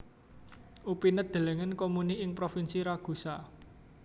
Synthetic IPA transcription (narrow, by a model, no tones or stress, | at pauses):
ʔupinəd̪̥e̤leŋənkomuniɪŋpɾofinsiɾaɡ̥ṳsa